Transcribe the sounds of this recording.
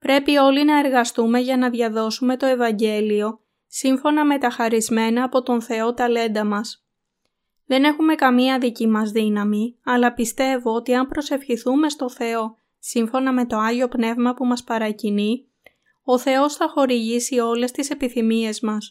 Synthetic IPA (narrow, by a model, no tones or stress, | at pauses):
pɾe̞pio̞linɐeɾɣɐst̪ume̞ʝɐnɐðʝɐðo̞sume̞t̪o̞e̞vɐɲɟe̞lio̞ | siɱfo̞nɐme̞t̪ɐxɐɾizme̞nɐːpo̞t̪o̞nθe̞o̞t̪ɐle̞nd̪ɐmɐs | ðe̞ne̞xume̞kɐmiɐðicimɐzðinɐmiɐlɐpist̪e̞vo̞ot̪iɐmpɾo̞se̞fçiθume̞st̪o̞θe̞o̞ | siɱfo̞nɐme̞t̪o̞ɐʝio̞pne̞vmɐpumɐspɐɾɐcini | o̞θe̞o̞sθɐxo̞ɾiʝisio̞le̞st̪ise̞piθimie̞zmɐs